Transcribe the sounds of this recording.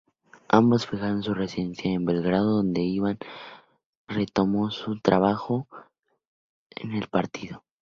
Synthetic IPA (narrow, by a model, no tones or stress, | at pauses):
ambosfixaɾonsure̞siðe̞nsjaembe̞lɣɾað̞oðo̞nd̪e̞iβan | re̞t̪o̞mo̞sut̪ɾaβ̞axo̞ | ḛne̞lpaɾt̪iðo̞